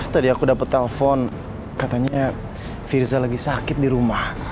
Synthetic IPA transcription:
t̪adiakudapət̪̚ːɛləfɔn | kat̪aɲa | firzalaɡisakɪt̪̚diɾumah

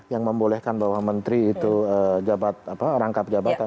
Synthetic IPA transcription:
jaŋməmbolɛhkanbawahmənt̪ɾiːt̪uəd͡ʒabat̪̚apaɾaŋkap̚d͡ʒabat̪a

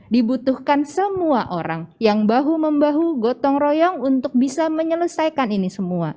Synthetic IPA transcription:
dibut̪uhkansəmuaʔoɾa̰ŋjaŋbaɦuməmbaɦuɡɔt̪ɔŋrojɔŋunt̪ʊk̚bisaməɲələsajkaninisəmua

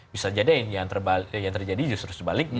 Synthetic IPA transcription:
bisad͡ʒadanjaŋt̪ərbajaŋt̪ərd͡ʒadid͡ʒʊst̪əɾʊst̪ərbalɪk̚

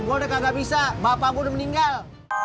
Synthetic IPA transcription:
ŋɡodakaɡaʔbisabapabodaməniŋɡal

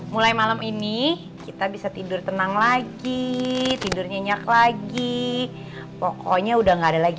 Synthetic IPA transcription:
mulajmalamini | kit̪abisat̪idʊrt̪ənaŋlaɡit̪idʊrɲaɲaklaɡi | pokoɲaudahŋɡaːdalaɡi

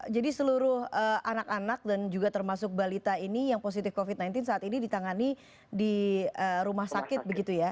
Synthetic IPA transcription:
d͡ʒadisəluɾʊhəanakanak̚dand͡ʒuɡat̪ərmasʊk̚balit̪ainijaŋpos̬it̪ɪfkofid̪̚najnt̪ɪnsaːt̪inidit̪aŋani | diəɾumahsakɪt̪̚bəɡit̪uja

